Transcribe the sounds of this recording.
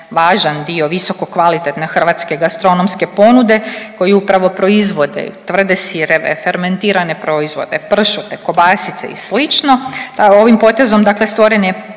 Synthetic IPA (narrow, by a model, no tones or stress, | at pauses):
ʋaːʒand̪io̞ʋiso̞ko̞kʋalit̪et̪ne̞xr̩ʋat̪skeɡast̪ɾonomske̞po̞nud̪e̞ko̞jiupɾaʋo̞pɾo̞izʋo̞d̪ḛt̪ʋr̩d̪esiɾeʋḛfeɾment̪iːɾane̞pɾo̞izʋo̞̰d̪e̞pr̩ʃut̪e̞ko̞basit̪sḛḭslit͡ʃno̞t̪ao̞ʋimpo̞t̪e̞zo̞md̪akle̞st̪ʋo̞ɾenje